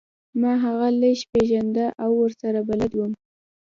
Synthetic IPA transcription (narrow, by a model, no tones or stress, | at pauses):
mɑɦaɣaləʃpeʒand̪aʔawːəɾsaɾabalad̪wəm